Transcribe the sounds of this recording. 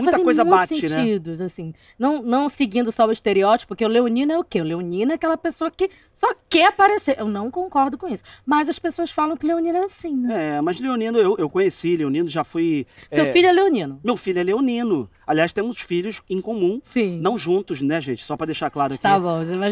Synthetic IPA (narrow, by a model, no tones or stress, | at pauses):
mũfazt̪ɐẽkojzɐbasẽt͡ʃɪnɛt͡ʃid̪ʊzasĩ | nɐ̃w̃nɐ̃w̃sɪɡĩnd̪ʊsɔwiʃt̪eɾiɔt͡ʃɪ̥kpʊɾkeʊleonĩnʊɛʊkeʊleonĩnɐɛakɛlɐpesoɐkɪ | sɔkɛapaɾeseɾʔewnɐ̃w̃kõkɔɾd̪ʊkõisʊ̥mɐzɐspesoɐsfalɐ̃w̃kɪleonĩnɐɛasĩnɛɛmɐzleonĩnʊewʔewkõɲesileonĩnʊʒafujssewfiʎʊɛleonĩnʊmewfiʎʊɛleonĩnʊ | aliajʃt̪ẽmʊsfiʎʊsẽkõmũsĩnɐ̃w̃ʒũnt̪ʊʃnɛʒẽt͡ʃɪ̥sɔpɾɐd̪eʃaɾklaɾʊakt̪iavõzɛmaz